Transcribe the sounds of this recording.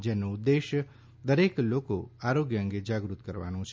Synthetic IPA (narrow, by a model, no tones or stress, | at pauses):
d͡ʒenõd̪ːeʃ | d̪əɾekloko̰aɾoɡjəə̃ŋɡed͡ʒaɡɾut̪kəɾʋa̰nõt͡ʃʰ